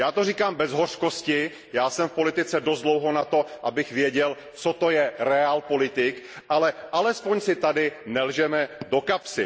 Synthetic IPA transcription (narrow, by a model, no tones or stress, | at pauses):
jaːt̪oriːkaːmbɛzɦorkoscɪ | jaːsɛmfpo̞lɪt̪ɪt͡sɛdost̪dlowɦo̞nat̪o̞ʔabɪxvjɛɟɛl | t͡sot̪o̞jɛɾɛaːlpo̞lɪt̪ɪk | ʔalɛʔalɛspoɲsɪt̪adɪnɛlʒɛmɛdokapsɪ